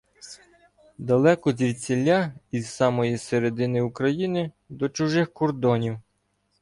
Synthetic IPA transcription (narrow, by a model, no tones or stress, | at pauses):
d̪ɐlˠɛkɔzʲiwʲsʲelʲːaizsɑmɔjiseɾed̪ɪnɪukɾɐjinɪ | d̪ɔt͡ʃʊʒɪxkɔrd̪ɔnʲiw